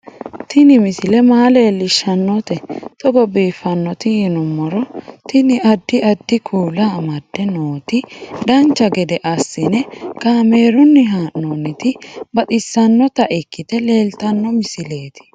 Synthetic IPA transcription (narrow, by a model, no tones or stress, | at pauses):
t̪ɪnɪmɪsɪlɛmaːleːlːɪʃːɐnːɔt̪ɛt̪ɔɡɔbiːfːɐnːɔt̪ɪɪnʊmːɔɾɔt̪ɪnɪɐd̪ːɪɐd̪ːɪkʰuːlaːmɐd̪̥ːɛnoːt̪ɪd̪ɐnt͡ʃːɐɡɛd̪ɛʔɐsːɪnɛkaːmeːɾʊnːɪɦaːʔnoːnːɪt̪ɪbɐt̪ɪsːɐnːɔt̪ɐʔɪkːɪt̪ɛle̞ːlt̪ɐnːɔmɪsɪle̞ːt̪ɪ̥